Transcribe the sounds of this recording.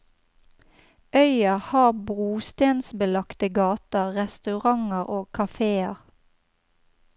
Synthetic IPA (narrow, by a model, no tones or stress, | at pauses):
ʔœʏɑhɑːʁbʁuːst̪eːnsbəlɑkt̪əɡɑːt̪əʁʁɛst̪ʉʁɑŋəʁoːkʰɑfeːəʁ